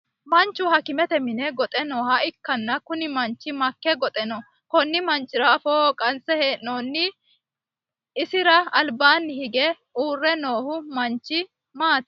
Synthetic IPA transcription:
mɐnt͡ʃːʊhɐkɪmɛt̪ɛmɪnɛɡɔt̪ʼɛno̞ːhɐɪkːɐnːɐkʊnɪmɐnt͡ʃːɪmɐkːɛɡɔt̪ʼɛnɔ | kɔnːɪmɐnt͡ʃːɪɾɐːfoːkʼɐnsɛheːʔnoːnːɪ | sɪɾɐɐlbaːnːɪhɪɡɛ | uːrːɛno̞ːhʊmɐnt͡ʃːɪ | maːt̪

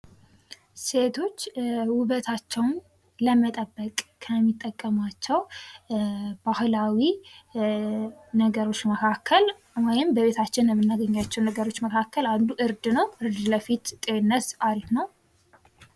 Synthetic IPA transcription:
se̞t̪ʰo̞t͡ʃːwʊβət̪ʰat͡ʃːɛwn | ləmət̪ʼəbːəkʼkʰəmːit̪ʼːəkʼːəmat͡ʃːɛw | bahlawi | nəɡəɾo̞t͡ʃːməkʰakʰːəl | wɔjɪmbəβe̞t̪ʰat͡ʃːɪnjɛmːɨnːaɡəɲːat͡ʃːɛwnəɡəɾo̞t͡ʃːməkʰakːəland̪uʔɨɾd̪nəwɨɾd̪ləfit̪t̪ʼenːəsaɾit̪nəw

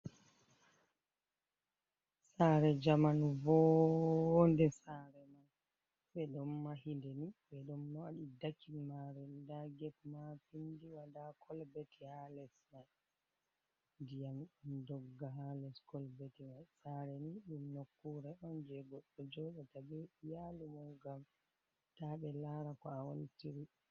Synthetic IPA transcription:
saɾɛd͡ʒamanvɔ | ndɛsaɾɛman | ɓɛɗɔmːahindɛniɓɛɗɔmnɔaɗidakʰːimaɾɛdaɡɛtmapindiwadakʰɔlbɛtɛhalɛsna | dijamɗumdɔɡːaɦalɛskɔlbetimasaɾɛniɗumnokːuɾɛʔɔnd͡ʒɛɡɔɗːɔd͡ʒɔɗatabɛjalumɔŋɡam | taɓɛlaɾakɔawonitiɾi

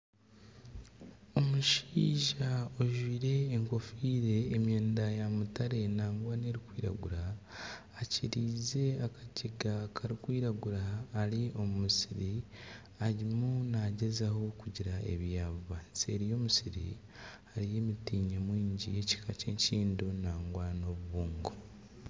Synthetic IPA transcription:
o̞muʃiːʒaoʒwiːɾe̞ːŋko̞fiːɾe̞ːmjeːndajamutaɾe̞naːŋɡwane̞ɾikwiːɾa̰ɡuɾaː | ciɾiːze̞akʰḁceɡakʰaɾikwiːɾaɡuɾaːɾio̞mumusiɾi | aɾimunaɟe̞zaho̞kuɟiɾae̞̰βjaːvuβaːnsie̞ɾijo̞musiɾḭ | aɾije̞ːmitiːɲemwiːɲɟije̞ci̥kʰace̞ːɲciːndonaːŋɡwano̞βuβuːŋɡo

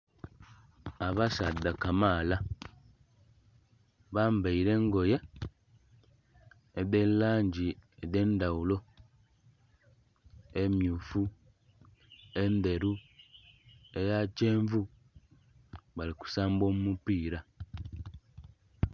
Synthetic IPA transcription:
aβasadːakamaːla | βaːmbaiɾe̞ŋɡo̞je̞ | dellaːɲɟieðe̞ːndawulo̞ | emjufu | e̞nde̞ɾu | ejaceːɱvu | βaliku̥saːmbo̞ːmumupiːɾa

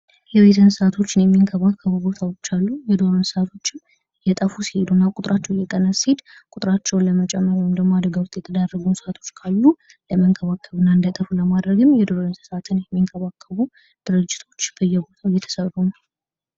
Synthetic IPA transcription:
jɛwet̪ʰənsat̪ʰo̞t͡ʃːɪnjɛmːiŋkʰəβakʰːəβubo̞t̪ʰawo̞t͡ʃːalːujɛd̪o̞ɾɨnsat̪ʰo̞t͡ʃːɪm | jɛt̪ʼəfusi̥he̞d̪unːakʼʊt̪ʼɾʔat͡ʃːɛwjɛk̪ʼənːəsihed̪ | kʼʊt̪ʼɾat͡ʃːɛwnləmət͡ʃʼɛmːəɾwɔjmd̪əɡmoad̪əɡawst̪jɛt̪ʰəd̪arːəɡunsat̪ʰo̞t͡ʃːkʰalːu | ləməŋkʰəβakːəβɨnːaɨnd̪ət̪ʼəfuləmad̪ɾəɡɨmːjɛd̪o̞ɾɨnssat̪ʰɨnjɛmːiŋkʰəβakʰːəβu | d̪̥ɨɾɨd͡ʒːɪt̪ʰo̞t͡ʃːbəjːɛbo̞t̪ʰajɛt̪ʰə̥sərːuna

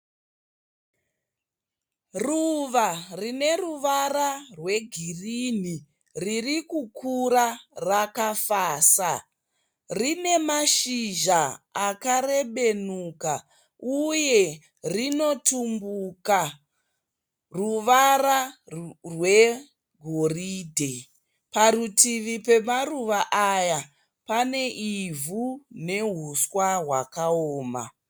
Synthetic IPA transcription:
ruʋarine̞ruʋararwe̞ɡʱirin̤i | ririkukʰuɾarakafaːsa | rine̞maʃiʒaakare̞ɓe̞nuːka | uje̞ | rino̞tumbuka | ruʋara | rwe̞ | ɡʱoriːdʱe | parutiʋipe̞maruʋaʔaja | pane̞ʔivune̞ɦuswaɦwakaoːma̰

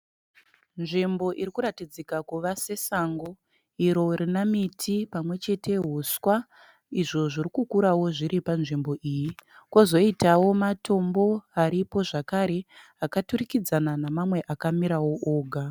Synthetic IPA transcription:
nʐimbo̞ʔiɾikuɾatid͡zikakuʋase̞saŋɡo̞ | iɾo̞ɾinamitʰipamwe̞t͡ʃe̞tʰe̞ɦuswa | iʐo̞ʐirikukuɾawo̞ʐiɾipanʐimbo̞ʔiːjikwo̞zo̞itawo̞mato̞mbo̞aɾipo̞ʐakaɾe | akaturikid͡zananamamwe̞ʔakamiɾawo̞ʔoːɡʱa

